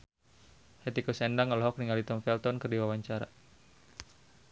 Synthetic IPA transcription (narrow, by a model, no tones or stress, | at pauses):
hɛt̪ikusɛndaŋəlɔɦɔk̚niŋalit̪ɔmfɛlt̪ɔnkərdiwawaɲt͡ʃaɾa̰